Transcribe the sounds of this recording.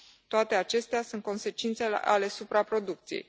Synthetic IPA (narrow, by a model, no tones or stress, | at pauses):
t̪oat̪e̞at͡ʃe̞st̪easunt̪̚ko̞nse̞t͡ʃint̪se̞ḛʔale̞supɾapɾo̞d̪uk̚t̪sijḛj